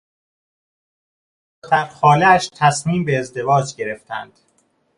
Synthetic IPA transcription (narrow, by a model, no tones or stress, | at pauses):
d̪̥æɾxɒːleæʃt̪ʰæsmiːmbe̞ːzd̪e̞vɒːd͡ʒɟe̞ɾe̞ft̪ʰæ̰nd̪̥